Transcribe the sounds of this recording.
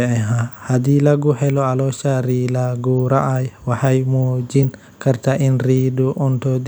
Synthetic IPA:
ɛɛɦahad̪iːlɐɡʊhɛlɔalɔʃaɾiːlaɡuːɾaʔajwɐħajmuːd͡ʒin | kʰɐɾt̪ʰaʔɪnriːduʔɔnt̪ɔd̪

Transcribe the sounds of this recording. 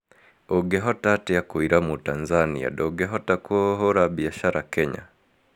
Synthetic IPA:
oɡɛɦɔtatiakwiɾamutanzanḭa̰ɗɔɡɛɦɔtakuoɦoɾabiaʃaɾakɛɲa̰

